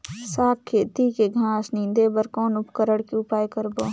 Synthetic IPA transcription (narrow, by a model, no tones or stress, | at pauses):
saːkkʰːeːt̪ikeɡʱãːsnĩnd̪ebəɾkɔːnʊpkəɾəɽkiʊpaːjkəɾboː